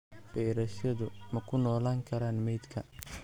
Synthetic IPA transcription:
b̥ɛjɾɐʃɐðʊmɐkʰʊnɔːlaːŋkʰɐɾaːnmɛjd̪kʰɐ

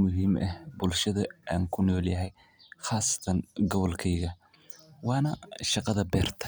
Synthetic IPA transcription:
mʊɦiːmʔɐhbʊlʃɐðɐʔaːŋkʰʊnɔːljɐɦɛj | χɑːsɐ̥t̪ʰɐnɡɔβɔlkʰɛjɣɐ | wɑːnɐʃɑqɑðɐbɛːrt̪ʰɐ̥

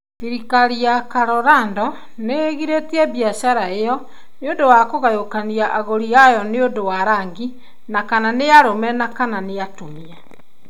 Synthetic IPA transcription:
ðiɾikaɾiakaɾɔɾandɔ | neɣiɾetiɛβiaɕaɾaejɔ | neondowakoɣajokaniaʔaɣoɾiajɔneondowaɾaːŋɡi | nakananejaɾomɛnakananejatomia

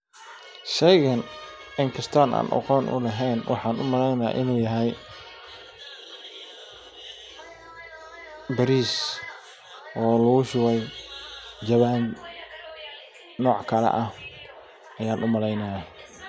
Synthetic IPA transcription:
ʃɛjɣɐn | ɪŋkʰɐst̪ʰaːna̰ːnʔɐ̰qɔːnʔʊ̰lɐɦɛjnwʔɑħɑːnʊmɐlɛjnɐ̰ʔɪnuːjɐɦɛj | bɐɾiːs | ʔɔːlʊɣʊʃʊwɛj | d͡ʒɐβaːn | nɔːʕkʰɐlɛ̰ʔɐ | ʔɐjaːnʔʊmɐlɛjnajɐ

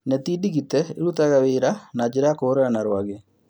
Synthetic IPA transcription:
netidiɣitɛḛɾutaɣaweɾanad͡ʒeɾakoːɾeɾanaɾwaɣe

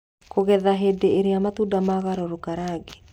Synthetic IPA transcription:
koɣɛðaɦedeeɾeamat̪udamaɣaɾɔɾokaɾaːɣe

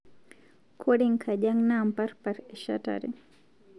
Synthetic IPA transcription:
kʰuɽiŋkʰaʄaŋnampaɾpaɾɛʃa̰ta̰ɾḭ

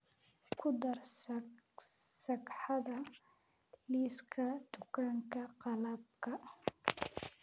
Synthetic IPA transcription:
kʰʊd̪ɐrs | sɐɡħɑðɐ | liːskʰɐd̪̥ʊkʰaːŋkʰɐqɑlɐbkʰɐ

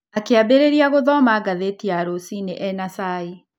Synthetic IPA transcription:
akeabeɾeɾiaɣoðɔmaɡaðetiaɾosineʔɛnasai

